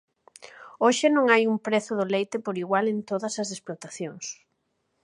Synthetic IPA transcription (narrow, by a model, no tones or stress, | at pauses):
oʃɪnõŋajumpɾeθʊðʊlejt̪ɪpoɾiɣwalent̪oðɐsɐsesplot̪aθjoŋs